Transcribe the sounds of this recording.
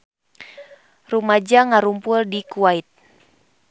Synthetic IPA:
rumad͡ʒaŋaɾumpʊldikuait̪̚

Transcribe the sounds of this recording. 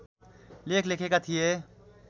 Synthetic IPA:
leːkʰleːkʰekat̪ʰije

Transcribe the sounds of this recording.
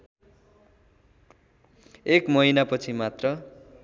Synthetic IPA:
ekmʌɦinapʌt͡sʰimat̪rʌ

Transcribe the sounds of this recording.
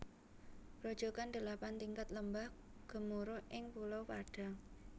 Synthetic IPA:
ɾod̥ʒ̥o̤kand̪̥ə̤lapant̪iŋkat̪ləmbah | ɡ̥ə̤muɾoʔɪŋpulowpaɖ̥a̤ŋ

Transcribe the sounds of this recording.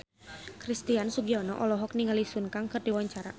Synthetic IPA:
kɾist̪iansuɡiɔnɔ̰ʔɔlɔɦɔk̚niŋalisunkaŋkɨrdiwaɲt͡ʃaɾa̰

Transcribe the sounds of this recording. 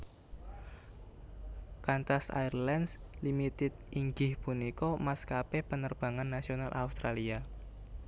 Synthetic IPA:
kant̪asa̰jrlanslimit̪ɪt̪̚iŋɡɪhpunikɔmaskapepənərb̥a̤ŋanːasionalʔa̰ust̪ɾalia

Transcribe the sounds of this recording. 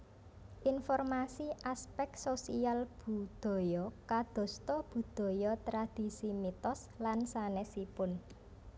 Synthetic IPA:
ʔinfɔrmasiʔaspɛk̚sosialb̥ṳd̪̥ɔ̤jɔkad̪̥ɔ̤st̪ɔb̥ṳd̪̥ɔ̤jɔt̪ɾad̪̥i̤simit̪ɔs | lansanɛsipʊn

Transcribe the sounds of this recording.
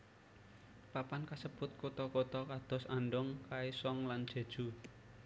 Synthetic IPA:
papankasəb̥ʊt̪̚kot̪ɔkot̪ɔkad̪̥ɔ̤sanɖɔŋkaesɔŋlan̥ʒ̥e̤d̥ʒ̥ṳ

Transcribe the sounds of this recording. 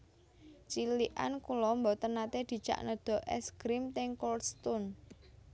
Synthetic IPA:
t͡ʃiliʔa̰nkulɔmbɔt̪ənat̪ed̪̥i̤̥t͡ʃa̰ʔnəd̪̥ɔ̤ʔɛ̰skɾimt̪ɪŋkɔlst̪ʊn

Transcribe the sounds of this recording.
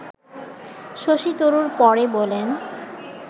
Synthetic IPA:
ʃoʃit̪oɾuɾpɔɾebolen

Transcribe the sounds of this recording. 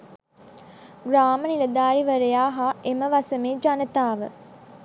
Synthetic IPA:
ɡɾaːməniləd̪aːɾiʋəɾəjaːɦaeməʋasəmeːd͡ʒanət̪aːʋə̰

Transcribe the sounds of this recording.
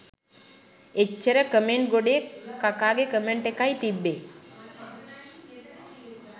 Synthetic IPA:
et͡ʃːɐɾəkəmeɳʈ̚ɡoɖekakaɡekəmeɳʈekajt̪ibːe

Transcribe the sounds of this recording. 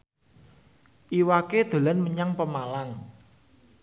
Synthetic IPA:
ʔiwaked̪̥o̤lanməɲaŋpəmalaŋ

